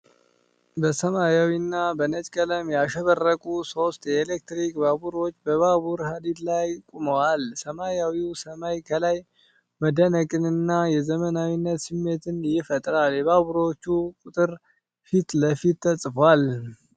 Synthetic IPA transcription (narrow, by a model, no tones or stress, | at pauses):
bəsəmajawinːabənət͡ʃʼkʼələmjaʃəβərːəkʼuso̞st̪jɛelek̚t̪ɾikbaβuɾo̞t͡ʃːbəβaβuɾhad̪id̪lajkʼuməwalsəmajawiwsəmajkʰəlaj | məd̪ənəkʼɨnɨnːajɛzəmənawinːət̪sɨmːe̞t̪ɨnjɪfət̪ʼɾaljɛβaβuɾo̞t͡ʃːukʼut̪ʼɨɾ | fit̪ləfit̪t̪ʰːəsʼfwal